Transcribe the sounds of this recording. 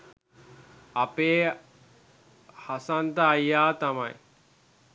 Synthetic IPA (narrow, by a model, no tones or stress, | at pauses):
ɐpeː | hasant̪əːjːaːt̪amaj